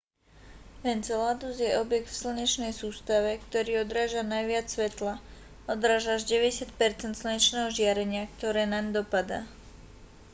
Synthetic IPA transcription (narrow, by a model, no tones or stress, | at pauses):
pɛnt͡sɛlad̪uzjɛɔbjɛkt̪fsl̩ɲɛt͡ʃnɛjsuːst̪aʋɛkt̪ɔɾiːɔd̪ɾaːʒanajʋɪat͡sːʋɛt̪la | ɔd̪ɾaːʒaʒɟɛʋɛɟɛsɪac̪pɛɾt͡sɛnt̪sl̩ɲɛt͡ʃnɛːɦɔʒɪaɾɛɲɪakt̪ɔɾɛːnand̪ɔpad̪a̰ː